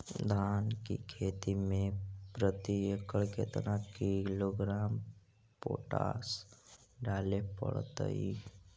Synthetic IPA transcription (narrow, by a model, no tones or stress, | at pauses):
d̪ʱaːnkḭkʰeːt̪imẽpɾət̪iekəɭket̪əɾakiloɡɾaːm | po̰ːʈa̰ːs | ɖaːlepə̰ɽt̪ə̰i